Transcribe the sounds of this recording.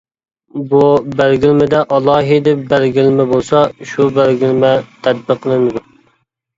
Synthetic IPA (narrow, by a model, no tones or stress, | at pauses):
bubæɾɡʲilmɪd̪ɛʔɑlˠɑːɦid̪ɪbæɾɡʲilmɪbolˠsɑʃubæɾɡʲilmɛt̪ʰæd̪̚bəqʰːəlˠɨmɪd̪u